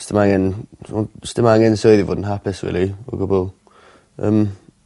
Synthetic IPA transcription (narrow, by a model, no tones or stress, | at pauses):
stəmaŋɛn | stɪmaŋɛnsoɨðivo̰ːdn̩ɦapʰɪsrḭːlˠiɔɡʊbɔlˠ | ə̰m